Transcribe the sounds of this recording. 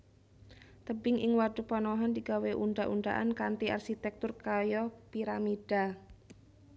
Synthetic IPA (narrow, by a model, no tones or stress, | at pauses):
t̪əbɪŋʔɪŋwaɖupɔnɔɦɔnd̪iɡ̥aweʔuɳɖaʔuɳɖa̰ʔa̰nkant̪ia̰rsit̪ɛk̚t̪ʊrkajɔpiɾamid̥a